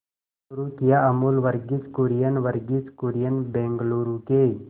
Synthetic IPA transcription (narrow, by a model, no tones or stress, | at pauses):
ɾukijaɐmulʋəɾɡit͡skuɾijənʋəɾɡit͡skuɾjənbẽŋɡluɾuke